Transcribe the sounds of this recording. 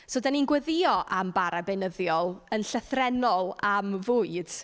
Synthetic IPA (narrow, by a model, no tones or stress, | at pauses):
sodaninɡwəðɪɔʔambaɾabenəðjɔlˠənɬəθrɛnɔlˠamvʊːɨd̥